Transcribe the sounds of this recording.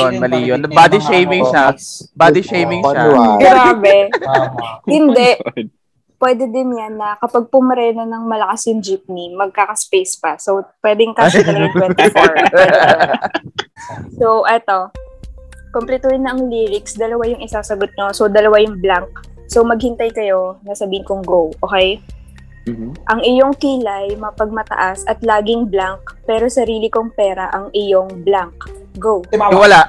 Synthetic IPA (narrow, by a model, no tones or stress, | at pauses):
onmɐliːjonɐbad̪iʃejmɪŋʃabad̪iʃejmɪŋʃaɡɡɾaːbɛ | hɪnd̪ɛʔ | pwɛd̪ɛd̪ɪnjanːɐkɐpaɡ̚pʊmɐɾɛːnonɐŋmɐlɐkasjʊŋd͡ʒɪp̚nimɐɡ̚kakɐspejspɐsowpwɛːd̪ɛŋkaɪnŋtwɛt̪ɪfoɹ | sowʔɛt̪o̞ | komplɛt̪uːhɪnːɐʔɐŋliːlɪksd̪ɐlɐwajʊŋɪsasɐɡot̪̚ɲo̞sowd̪ɐlɐwajʊŋblaŋk̚ | sowmɐɡ̚hɪnt̪ajkɐjo̞nɐsɐbiːhɪnkʊŋɡowʔoːkɛj | ʔɐŋɪjo̞ŋkiːlajmɐpɐɡ̚mɐt̪ɐ̰ʔasʔɐt̪laːɡɪŋblaŋk̚pɛːɾo̞sɐɾiːlɪkoŋpɛːɾɐʔɐŋʔɪjoŋblaŋk̚ɡowwɐlaʔ